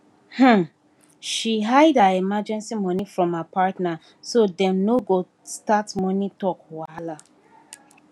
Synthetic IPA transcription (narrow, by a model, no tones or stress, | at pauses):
h̩ | ʃiɦaɪdaɛmad͡ʒɛ̃nsimɔnifɹɔ̃mhapatna | sodɛ̃mnoɡo | statmɔnitɔkwala